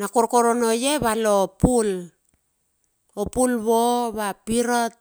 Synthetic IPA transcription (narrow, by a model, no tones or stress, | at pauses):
nakoɾkoɾonojeβalopul | opulβoβapiɾot̚